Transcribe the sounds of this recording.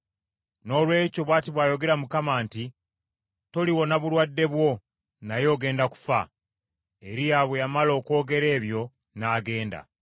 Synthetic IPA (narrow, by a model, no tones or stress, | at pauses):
no̞lwe̞ːco̞βwaːtiβwaːjo̞ɡe̞ɾamukamaːnti | to̞liwo̞naβulwadːe̞βwo̞ | najo̞ːɡe̞ːndaku̥fa̰ | e̞ɾijaβwejamalo̞ːko̞ːɡe̞ɾe̞ːβjo̞ | naːɡe̞ːnda̰